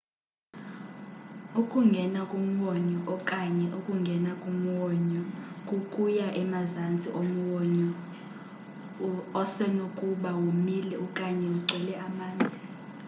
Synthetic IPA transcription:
ukʼuŋɡʱɛnakʼum̩wɔɲɔʔɔkʼaɲɛʔukʼuŋɡʱɛnakʼum̩wɔɲɔkʼukʼujaʔɛmazand͡zʱʼiʔom̩wɔɲɔ | ɔsɛnokʼuɓawumilɛukʼaɲɛuǀʱɛlɛʔamaːnd͡zʱi

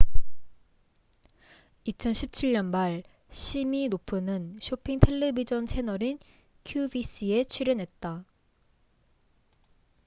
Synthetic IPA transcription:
it͡ɕʰʌnɕʰip̚t͡ɕʰiɭɲʌnmaɭ | ɕʰiminopʰɯnɯnɕʰopʰiŋtʰe̞ɭːebid͡ʑʌnt͡ɕʰe̞nʌɾin | kʰjubis͈ie̞t͡ɕʰiɾjʌnɦe̞t̚t͈a

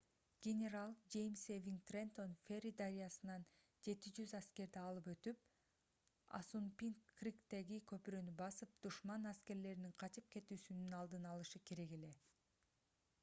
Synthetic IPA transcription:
ɡʲenʲeɾalˠd͡ʒe̞jmsevʲiŋt̪rent̪o̞nfʲerʲid̪aɾʲijasɯnɑn | d͡ʒe̞t̪id͡ʒyzæske̞ɾd̪eɑlˠɯpø̞t̪yp̚ | ɑ̰sunpʲiŋkːrʲikt̪e̞ɡikʰø̞pyɾø̞nybɑsɯp̚d̪̥uʃmɑnæske̞ɾle̞ɾiniŋqʰɑt͡ʃɯp̚ke̞t̪yːsynynɑlˠd̪ɯnɑlˠɯʃɯkʰe̞ɾe̞ɡe̞le̞

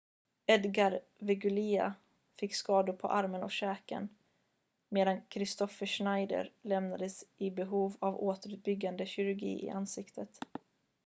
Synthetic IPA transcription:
ɛd̪ɡaɾ | vɛɡʉlia̰ | fɪkːskɑːd̪ʊpʰɔ̰ʔaɾmənɔ̰ɕɛːkə̰n | meːd̪ankʰɾɪst̪ɔfəʂnajd̪ə̰ɾlɛmnad̪əsɪbɛɦuːvavoːt̪əɾʉːt̪̚bʏɡːand̪əɕɪɾɵɾɡḭːʔɪ̰ʔansɪkt̪ʰət̪

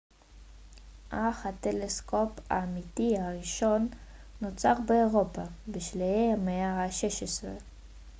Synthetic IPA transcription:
ʔaχhat̪elesko̞pa̰ːmitihaʁiʃo̞nː | ot͡saʁbeːʁo̞pabeʃlejeameahaʃeʃesʁḛ

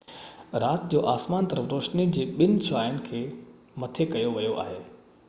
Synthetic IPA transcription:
ɾaːt̪d͡ʑoːʔaːsmaːnt̪ɐɾəfɾoːʃnid͡ʑeːɓɪn̆t͡ɕʰʊaːɪʊnɪ̆kʰeː | mɐt̪ʰekɐjoʋijoʔa̰ːɦeː

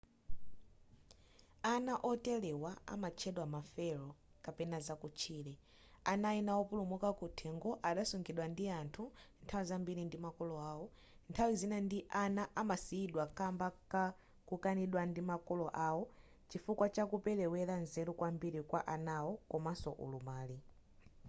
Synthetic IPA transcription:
anaʔɔtɛlɛwaa̰mat͡ʃʰɛɗwamafɛɾɔ | kapɛnazakut͡ʃʰiːlɛ | anainawɔpulumukakutʰɛŋɡɔʔaɗasuŋɡiɗwandiantʰuntʰawizambiɾindimakɔlɔaːwɔ | ntʰawizinandiʔanaʔamasiːɗwakambaka | kukaniɗwandimakɔlɔʔawɔ | t͡ʃifukwat͡ʃakupɛlɛwɛɾanzɛɾɔkwambiɾikwaʔanawɔkɔmasɔʔṵlumaːli

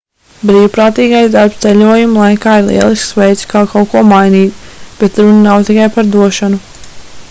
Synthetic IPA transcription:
bɾiːwpɾaːt̪iːɡajd̪aɾpst̪sɛʎʲuɔjumlˠajkaːiɾlˠḭɛlˠisksʋɛjt̪sʲkawkawkuɔmajniːt̪b̥et̪ɾunənawt̪ikajpaɾd̪uɔʃanu

